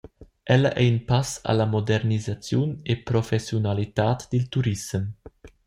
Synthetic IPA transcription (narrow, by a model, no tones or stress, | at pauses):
ʔɛlɐʔɛinpasa̰lamod̪ɛɾnizat͡sjunepɾofɛsjunalit̪aːt̪d̪ilt̪uɾisəm